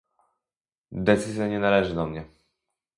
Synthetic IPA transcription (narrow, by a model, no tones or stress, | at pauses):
d̪ɛt̪sɘzʲjaɲɛnalɛʐɘd̪ɔmɲɛ